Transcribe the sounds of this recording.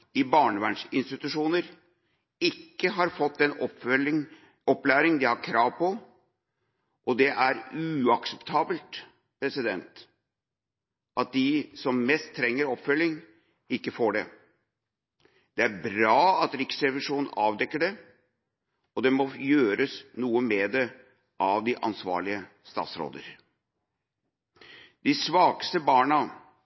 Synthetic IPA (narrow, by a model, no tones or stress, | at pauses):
ɪbɑːɳəʋæɳʂɪnst̪ɪt̪ʉʂuːnəɾ | ɪkːəɦɑɾfɔt̪ːd̪ɛnɔ | ɔpːlæːɾɪŋd̪ɪhɑɾkʰɾɑːʋpʰɔ | ʔɔd̪ɛʔæɾʉɑksɛpt̪ʰɑːbəlt̪ | pʰɾɛsɪd̪ɛnt̪ | ʔɑt̪̚d̪ɪsɔmmɛst̪ʰːɾɛŋːəɾɔpːfœlːɪŋ | ɪkːəfoːɖɛ̰ | d̪̥ɛæɾbɾɑːɑt̪ɾɪksɾɛʋɪʂuːnn̩ɑːʋd̪ɛkːəɖɛ | ɔd̪ɛmɔjøːɾəsnuːəmɛd̪ɛ | ʔɑʋd̪ɪʔɑ̰nsʋɑ̰ːɭɪə | st̪ɑ̰ːt̪sɾo̰ːd̪ə̰ɾ | d̪ɪsʋɑːɡəst̪əbɑːɳɑ